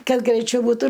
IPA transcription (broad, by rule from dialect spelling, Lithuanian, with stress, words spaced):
ˈkɐt ɡrʲɛɪˈt͡ʃʲɛʊ buːˈtuː